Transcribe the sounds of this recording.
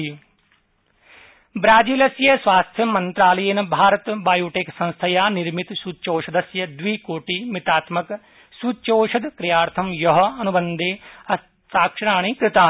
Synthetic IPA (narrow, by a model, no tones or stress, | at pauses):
bɾaːd͡ʒiːlɐsjɐsʋaːst̪ʰjɐmɐnt̪ɾaːlɐjenbʱaːɾət̪baːjuːʈeːksɐ̃ñst̪ʰɐjaːnɪɾmɪt̪suːt͡ʃoːʃɐd̪ɐsjɐd̪ʋiːkoːʈiːmɪt̪aːt̪mɐk | suːt͡ʃoːʃɐd̪kɾɪjaːɾt̪ʰɐmjɐɦɐnubənd̪eːɐ | t̪aːkʃɐɾaːɽ̃iːkɾɪt̪aː